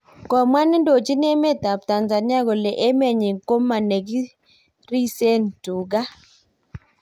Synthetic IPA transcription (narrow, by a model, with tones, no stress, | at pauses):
kɔ˨mwa˦n˦do˨t͡ʃi˦n˦e˦me˦˨ta˨p̚ta˨nza˨ni˦a˦ɡo˨le˨ʔe˦me˨ɲi˨ŋ˨ko˦mːa˨ne˨ɡi˦ | ɾi˦se˦ntu˨ɡa˦